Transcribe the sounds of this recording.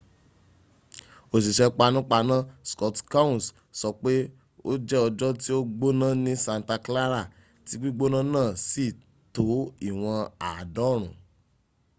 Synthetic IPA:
o˨s̬i˨ʃɛ˧k͡pa˧nũ˦k͡pa˧nã˦skɔ˨˦tka˦ũ˦˨s | sɔ˧k͡pe˦ | o̰˦d͡ʒɛ˦ɔ˧d͡ʒɔ˦ti˦o˦ɡ͡bo˦nã˦nĩ˦sã˧n˨ta˧kla˦ɾa˦˨ | ti˨˦ɡ͡bi˦ɡ͡bo˦nã˦nãː˦˨si˦˨ | to˨˦i˦˨w̃ɔ̃˧a˨dɔ˨˦˨ɾ̃ũ˨

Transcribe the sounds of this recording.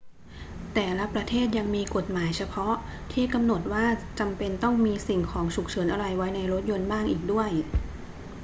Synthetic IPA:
t̪ɛː˨˩la˦˥pɾa˧t̪ʰeː˥˩t̪̬̚ja˧ŋmiː˧ko˨˩t̪̚maː˩˦jt͡ɕʰa˧pʰɔ˦˥ʔ | t̪ʰiː˥˩ka˧mno˨˩t̪̚waː˥˩t͡ɕa˧mpe˧nt̪ɔ˥˩ŋmiː˧si˨˩ŋkʰɔː˩˦ŋt͡ɕʰu˨˩k̚t͡ɕʰɤː˩˦nʔa˧ɾa˧jwa˦˥jna˧jɾo˦˥t̪̚jo˧nbaː˥˩ŋʔiː˨˩k̚du˥˩əj

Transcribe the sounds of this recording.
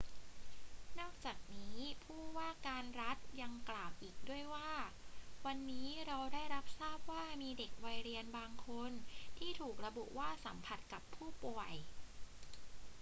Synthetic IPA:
nɔː˥˩k̚t͡ɕaː˨˩k̚niː˦˥pʰuː˥˩waː˥˩kaː˧nɾa˦˥t̪̚ja˧ŋklaː˨˩wʔiː˨˩k̚du˥˩əjwaː˥˩wa˧nːiː˦˥ɾa˧wdaː˥˩jɾa˦˥p̚saː˥˩p̚waː˥˩miː˧de˨˩k̚wa˧jɾi˧ənbaː˧ŋkʰo˧nt̪ʰiː˥˩t̪ʰuː˨˩k̚ɾa˧bu˨˩waː˥˩sa˩˦mpʰa˨˩t̪̚ka˨˩pʰːuː˥˩pu˨˩əj

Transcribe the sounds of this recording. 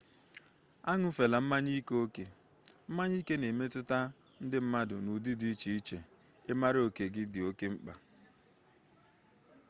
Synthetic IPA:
a˦ŋʊ˦fe˨la˨m̩˦ma˦ɲi˦ko˦ke˨ | m̩˦ma˦ɲi˦ke˦ne˨me˦tʊ˦ta˦ | n̩˦dɪ˦m̩˦ma˦dʊ˨nu˨di˦di˦t͡ʃi˨i˦t͡ʃe˨ | e˦ma˦ɾɪ˦o˨ke˨ɡɪ˦dɪ˨o˦ke˦ŋ͡m̩˦k͡pa˨

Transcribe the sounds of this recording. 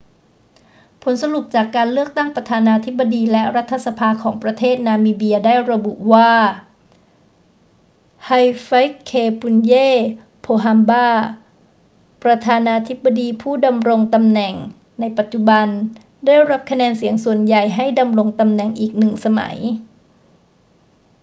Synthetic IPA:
pʰo˩˦nsa˧lu˨˩p̚t͡ɕaː˨˩kːaː˧nlɯ˥˩ək̚t̪a˥˩ŋpɾa˧t̪ʰaː˧naː˧t̪ʰi˦˥bːa˧diː˧lɛ˦˥ɾa˦˥t̪ʰːa˧sa˧pʰaː˧kʰɔː˩˦ŋpɾa˧t̪ʰeː˥˩t̪̚naː˧miː˧bi˧ɐdaː˥˩jɾa˧bṵ˨˩ʔwaː˥˩ | ha˧jfa˦˥jkʰːeː˧pʰu˧njeː˥˩ | pʰoː˧ɦa˧mbaː˥˩ | pɾa˧t̪ʰaː˧naː˧t̪ʰi˦˥bːa˧diː˧pʰuː˥˩da˧mɾo˧ŋt̪a˧mnɛ˨˩ŋ | na˧jpa˨˩t̪̚t͡ɕu˨˩ba˧n | daː˥˩jɾa˦˥p̚kʰa˧nɛː˧nsi˩˦əŋsu˨˩ənja˨˩jɦa˥˩jda˧mɾo˧ŋt̪a˧mnɛ˨˩ŋʔiː˨˩k̚nɯ˨˩ŋsa˧ma̰˨˩˦j

